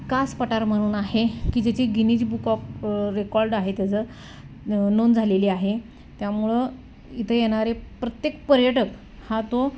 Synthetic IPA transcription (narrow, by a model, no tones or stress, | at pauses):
kaspəʈaɾm̤əɽ̃uːnaɦekiːd͡ʑet͡ɕiɡinid͡ʑbukɔpɾekɔɾɖaɦet̪jat͡sə | nond͡zʱaleliːaɦe | t̪jamuɭə | it̪ʰəjeɽ̃aɾepɾət̪jekpəɾjəʈək | hat̪o